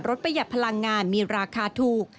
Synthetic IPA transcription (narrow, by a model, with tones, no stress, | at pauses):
ɾo˦˥t̪̚pʰa˧ja˨˩t̪̚pʰa˧la˧ŋːaː˧nmiː˧ɾaː˧kʰaː˧t̪ʰuː˨˩k̚